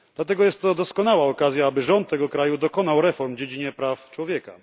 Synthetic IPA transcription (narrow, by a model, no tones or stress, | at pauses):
d̪lat̪ɛɡɔjɛst̪ːɔd̪ɔskɔnawaɔkazʲjaabɘʐɔnt̪̚ːɛɡɔkɾajud̪ɔkɔnawɾɛfɔɾmd͡ʑed͡ʑiɲɛpɾaft͡ʂwɔvʲjɛka̰